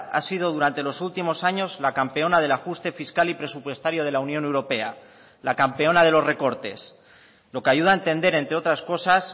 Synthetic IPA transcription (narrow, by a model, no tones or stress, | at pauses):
a̰siðo̞ð̞uɾant̪e̞lo̞sult̪imo̞saɲo̞zlakampe̞o̞nað̞e̞laxust̪e̞fiskalipɾe̞supwe̞st̪aɾjo̞ð̞e̞launjone̞wɾo̞pe̞a | lakampe̞o̞naðe̞lo̞zre̞ko̞ɾt̪e̞̰s | lo̞keaʝuð̞aent̪e̞nd̪e̞ɾe̞nt̪ɾeo̞t̪ɾasko̞sas